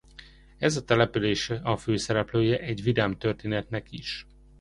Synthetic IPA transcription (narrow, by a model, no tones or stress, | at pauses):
ɛzɒt̪ɛlɛpyleːʃɛɒføːsɛɾɛpløːjɛʔɛɟʋid̪aːmt̪ørt̪eːnɛt̪nɛkiʃ